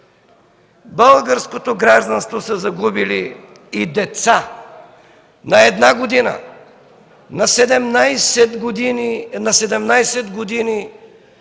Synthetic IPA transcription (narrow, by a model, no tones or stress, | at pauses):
bəlˠɡəɾskot̪oɡɾaʒd̪ɐnst̪vosəzɐɡubili | id̪ɛt̪sa | nɐɛd̪naɡod̪inə̰ | nɐsɛd̪ɛmnajsɛd̪ɡd̪ininɐsɛd̪ɛmnajsɛd̪ɡod̪ini